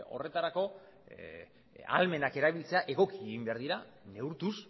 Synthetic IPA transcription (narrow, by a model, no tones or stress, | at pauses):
o̞̰re̞t̪aɾako̞ | a̰lme̞nake̞ɾaβilt͡se̞aʔe̞ɣ̞o̞kieɣɣimbeaɾðiɾane̞uɾt̪us